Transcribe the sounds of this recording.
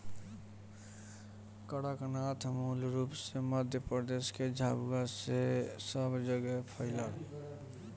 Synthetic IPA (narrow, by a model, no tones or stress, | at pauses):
kəɽaknat̪ʰmulɾupseməd̪ʱjəpɾəd̪esked͡ʒʱabɡasesəbd͡ʒəɡɛpʰəɪlaɾ